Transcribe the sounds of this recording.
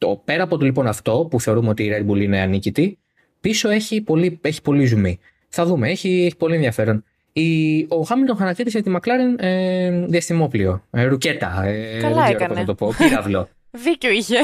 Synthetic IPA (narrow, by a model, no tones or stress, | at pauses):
t̪o̰pe̞ɾɐpo̞t̪olipo̞nɐft̪o̞puθe̞o̞ɾumeo̞t̪iːɾɐɾbuliineɐnicit̪i | piso̞e̞çipolie̞çi̥po̞lizumi | θɐðumeeçieçi̥po̞lienðiɐfe̞ɾo̞n | io̞xɐmilt̪onxɐnɐc̪it̪iset̪imɐklɐɾeneðiɐst̪imo̞plio̞ɾuce̞t̪ɐ̰eɐlɡeeɾɐponɐɐt̪opo̞piɾɐvlo̞ | ðiceoiçe